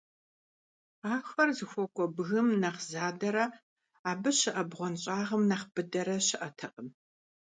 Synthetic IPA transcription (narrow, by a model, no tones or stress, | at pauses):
aːxɐrzɨxʷɔkʷʼɔbɣɨmnɐqzaːdɐɾɐ | aːbɨɕɪʔɐbʁʷɔnɕʼaːʁəmnɐχb̥ɨdɐɾɐɕɪʔɐtʰɐqʼəm